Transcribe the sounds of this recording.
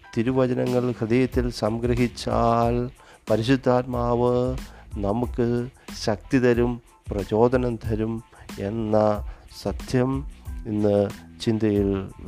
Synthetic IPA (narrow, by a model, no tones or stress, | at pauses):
t̪iɾuʋɐd͡ʑɐnɐŋːɐɭkɨd̪ɐjɐt̪ːilsɐmɡɾɐɦit͡ɕːaːl | pɐɾiɕud̪ʱːaːt̪maːʋɨnɐmukːɨɕɐk̚t̪id̪ɐɾum | prɐt͡ɕo̞ːd̪ɐnɐnd̪ʱɐɾume̞nːɐsɐd̪jɐminːɨt͡ɕind̪ɐjiɭ